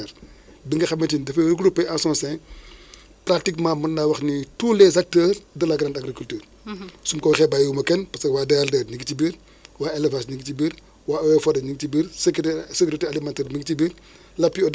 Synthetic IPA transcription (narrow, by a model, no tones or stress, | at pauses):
ɛɾ | diŋɡɐxɐmːɐtindɐfeɾɡɾupːɛʔãsɔ̃sɛ̃ | pɾatikmãːmɐnːawɐxnitulɛzak̚tɛːrdɐlaɡɾãːndaɡɾikyltyːr | sumkɔxɛbajumɐkɛnpɐsɐwaːdɛldɛːɾniɡitibiɾ | waːɛlɛvasniɡitibiːɾ | waːɔwɛfɔdɐɲiɡtibiɾskːsɛkɾitɛalimãntɛːɾmiɡtibiːɾ | lɐpːiɔd